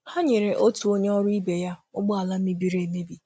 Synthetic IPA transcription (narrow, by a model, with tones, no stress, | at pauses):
ha˦ɲe˨ɾe˨ʔo˦tu˨o˦ɲe˦ɔ˦ɾʊ˦i˦be˨ja˦ʊ˦ɡ͡bʊ˦a˨la˦m̩˦mi˦bi˨ɾe˨me˦bi˨